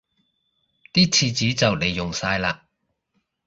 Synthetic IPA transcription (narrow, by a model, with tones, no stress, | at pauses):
t̪iː˥t͡sʰiː˧t͡siː˨˥t͡sɐ˨wle˨˩jːʊ˨˩ŋsaː˧jlaː˧